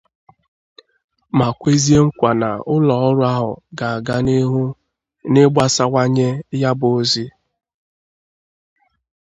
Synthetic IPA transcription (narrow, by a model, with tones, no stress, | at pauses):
ma˨kʷe˦zi˦e˦ŋ̩˦kʷa˨na̰˨ʊ˦lɔ˨˦ɔ˦ɾʊ˦a˦ɦʊ̰˨ɡa˨a˨ɡa˦ni˦ɦu˦ | nɪ˦ɡ͡ba˦sa˦wa˦ɲe˦ja˦bʊ˨o˦zi˦